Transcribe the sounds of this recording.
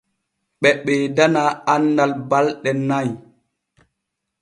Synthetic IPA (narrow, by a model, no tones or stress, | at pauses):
ɓɛɓɛdanaːanːalbalɗɛnaj